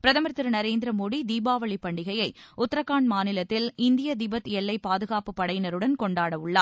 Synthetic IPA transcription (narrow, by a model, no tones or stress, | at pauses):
pɪɾɐðɐmɐɾt̪ːɪɾɐnɐɾeːnd̪ɪɾɐmoːɽid̪iːbaːʋɐɭipːɐɳɖɪɣɐjɐɪʊt̪ːɾɐkːaːɳmaːnɪlɐt̪ːɪlɪnd̪ɪjɐd̪ɪbɐt̪ɛɭːɐɪpaːðɯɣaːpɯpːɐɽɐjnɐɾɯɽɐnkɔɳɖaːɽɐʋɯɭːaː